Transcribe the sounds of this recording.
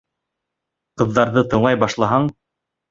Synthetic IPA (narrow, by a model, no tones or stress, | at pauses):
qɤ̆ðːɑɾðɤt̪ɤ̆ɴɑjbɑʃlˠɑɦɑɴ